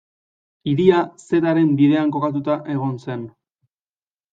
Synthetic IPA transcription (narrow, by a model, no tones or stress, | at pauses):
iɾiase̞t̪aɾe̞mbiðe̞aŋko̞kat̪̬ut̪aʔe̞ɣ̞o̞nse̞n